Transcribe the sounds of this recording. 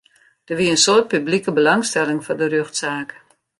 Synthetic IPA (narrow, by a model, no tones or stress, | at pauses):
d̥ərʋiəənsoːt̚pyblikəbəlaŋstɛlɪŋfɔdərøxtsaːk